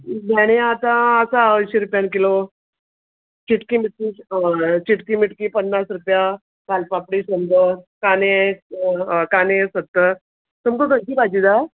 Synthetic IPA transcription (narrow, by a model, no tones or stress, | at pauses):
dʱɛɽ̃eat̪ãəsaəɕiɾupjank̬ilo | t͡ɕiʈkimiʈ̚ki | t͡ɕiʈkimiʈkipənːasɾupja | kalpapɽiɕənd̪əkane | kanesət̪ːə | t̪umkoʈənkibad͡ʑid̪a